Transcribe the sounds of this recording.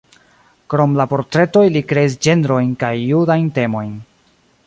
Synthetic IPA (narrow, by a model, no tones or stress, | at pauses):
kɾo̞mlapo̞ɾtɾe̞to̞jlikɾe̞is̬d͡ʒe̞ndɾo̞jnkajːudajnte̞mo̞jn